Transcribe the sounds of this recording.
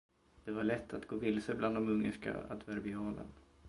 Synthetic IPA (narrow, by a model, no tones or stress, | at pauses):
d̪̥ɛvaɭɛt̪ʰːat̪ɡoːvɪlsəblʔand̪ɔmɵŋːə̰ʂka̰a̰d̪vɛɾbɪɑːlə̰n